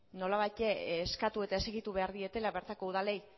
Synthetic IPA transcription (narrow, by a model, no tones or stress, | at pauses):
no̞laβajt̪eːskat̪ue̞t̪ae̞seɣit̪uβeaɾðie̞t̪e̞laβe̞ɾt̪ako̞uðalej